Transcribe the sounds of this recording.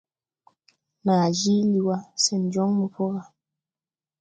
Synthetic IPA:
naː˨d͡ʒi˦li˨wa˦sɛ˨n̩˨d͡ʒɔ˦ŋmu˨pɔ˦ɣa˨

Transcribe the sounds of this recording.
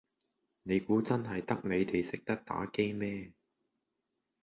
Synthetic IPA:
ne˨˧jkuː˨˥t͡sɐ˥nɦɐ˨jt̪ɐ˥k̚ne˨˧jt̪e˨jsɪ˨k̚t̪ɐ˥k̚t̪a̰ː˨˥ke˥jmɛː˥

